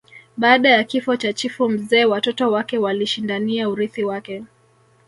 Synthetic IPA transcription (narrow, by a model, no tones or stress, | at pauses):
ɓaːɗajakifɔt͡ʃat͡ʃifum̩zɛːwatɔtɔwakɛwaliʃindaniauɾiθiwakɛ